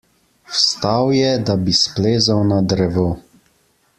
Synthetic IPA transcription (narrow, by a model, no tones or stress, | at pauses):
wst̪awjɛd̪abispleːzawnad̪ɾɛʋo